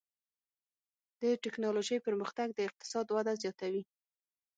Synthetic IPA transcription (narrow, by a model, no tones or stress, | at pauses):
d̪̥əʈɪknɑloʒəjpəɾməxt̪aɡ̚d̪əɪq̚t̪ɪ̥sɑd̪wad̪azjɑt̪awi